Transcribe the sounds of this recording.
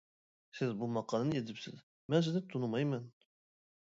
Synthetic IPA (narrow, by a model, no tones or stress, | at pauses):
sɪzbumɑqɑlˠnjed̪ɪpsɪz | mæns̬ɪd̪ɪt̪ʰːunumɑjmɑn